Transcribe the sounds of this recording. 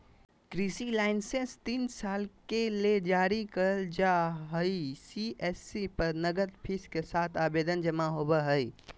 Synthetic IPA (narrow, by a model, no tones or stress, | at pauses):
kɾisilaːɪnsenst̪iːnsaːlkeled͡ʒaːɾikəld͡ʒaɦəisiesipəɾnəɡəd̪pʰiskesaːt̪ʰaːbeːd̪ənd͡ʒəmaɦoːbəɦəi